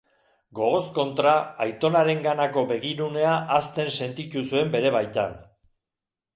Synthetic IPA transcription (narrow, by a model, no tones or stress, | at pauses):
ɡo̞ɣ̞o̞sko̞nt̪ɾaːjt̪o̞naɾe̞ŋɡanako̞βe̞ɣ̞iɾune̞aʔast̪e̞nse̞nt̪it̪usue̞mbe̞ɾe̞βajt̪a̰n